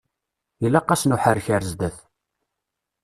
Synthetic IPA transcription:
jəlːæqːɑsnuħəɾçəɾzd̪æθ

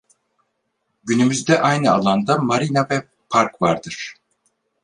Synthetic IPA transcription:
ɟynymyzd̪ɛʔajnɯa̰lˠand̪amaɾinavɛ | pʰaɾkvaɾd̪ɯɾ̥

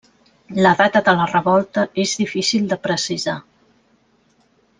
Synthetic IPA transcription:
ləðat̪əðələrəβɔlˠt̪əʔezðifisilˠd̪əpɾəsiza

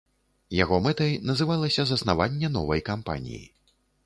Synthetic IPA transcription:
jaɣɔmɛt̪ɐjnɐzɨvalˠɐsʲɐzɐsnavanʲːɛnɔvɐjkampa̰nʲḭjḭ

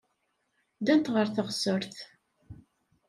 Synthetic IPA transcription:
d̪ænt̪ʁəɾθəʁsəɾθ

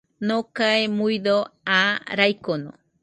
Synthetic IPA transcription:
nokaemujd̪oaɾajkono̰

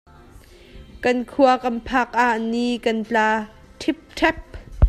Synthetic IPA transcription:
kɐnkʰuɐkɐmpʰak̚ʔaʔnikɐnt͡ɬaː | t̪ʰip̚t̪ʰɛp̚

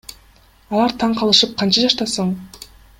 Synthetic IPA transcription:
ɑlˠɑɾt̪ʰɑɴqʰɑlˠɯʃɯp̚qʰɑnt͡ʃɑd͡ʒɑʃt̪ɑsɯɴ

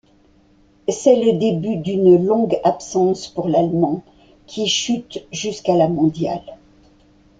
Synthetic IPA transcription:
sɛləd̪ebyd̪ynlɔ̃ɡapsɑ̃spuʁlalmɑ̃ | kʲʰiʃyt̪ʒyskalamɔ̃d̪ja̰l

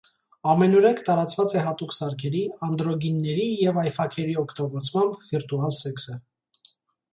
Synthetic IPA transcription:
ɑmɛnɔɾɛkʰt̪ɑɾɑt͡svɑt͡sɛɦɑt̪uksɑɾkʰɛɾiɑnd̪ɾɔɡinːɛɾijɛvɑjfɑkʰɛɾiɔkʰt̪ɔɡɔt͡sʰmɑmbviɾt̪uɑlsɛksə

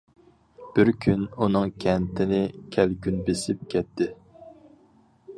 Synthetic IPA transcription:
b̥ɪɾkʲʰynunɨŋkʲʰɛnt̪ʰɪnɪkʲʰɛlɡʲynbesɪp̚kʲʰɛt̪ʰːɪ

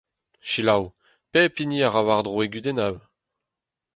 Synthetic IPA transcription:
ʃilaw | pɛpiniaʁawaʁd̪ʁoeɡyd̪enaw

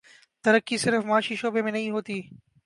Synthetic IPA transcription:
t̪əɾəkːiːsɪɾfmaːʃiːʃoːbemẽnɐĩɦoːt̪iː

